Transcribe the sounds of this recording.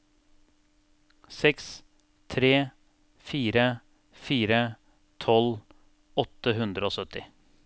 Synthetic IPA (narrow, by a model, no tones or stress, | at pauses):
sɛks | t̪ʰɾeː | fiːɾə | fiːɾə | t̪ʰɔl | ɔt̪əɦʉnd̪ɾəoːsœt̪ɪ